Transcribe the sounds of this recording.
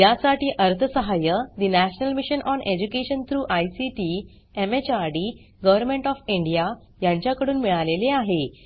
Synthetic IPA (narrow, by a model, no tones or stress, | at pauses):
jasaʈiːʔəɾt̪ʰəsəɦajəd̪inæɕnəlmiɕənʔɔnʔed͡ʑukeɕənt̪ʰɾuːʔajsiʈi | emet͡ɕaɾɖi | ɡəʋəɾmeɳʈɔfiɳɖija | jãɲt͡ɕjakəɽuːnmiɭaleleaɦe